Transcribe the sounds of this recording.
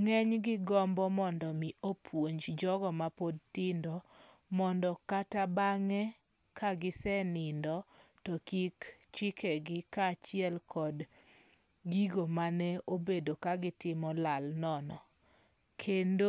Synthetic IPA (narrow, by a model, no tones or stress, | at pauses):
ŋɛɲɡɪɡɔmbɔmɔndɔmiopʰwoɲd͡ʒd͡ʒɔɡɔmapodtɪndɔ | mɔndɔkatabaŋɛ | kaɡɪsɛnɪndɔtɔkikt͡ʃɪkʰɛɡɪkat͡ʃɪɛlkʰɔd | ɡiɡomanɛobedokaɡɪtɪmɔlalnɔnɔ | kʰendo